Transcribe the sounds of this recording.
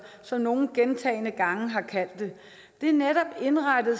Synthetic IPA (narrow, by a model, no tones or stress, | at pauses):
sɒ̽mno̝ːn̩ɡ̥ent͡sʰɛ̰ːɪnəɡ̥ɑ̈ŋəɦɑ̈kʰæl̰d̥e̝ | d̥e̝æɐneɾ̥ɒ̽b̥e̝nʁɑd̥əð̩ˠ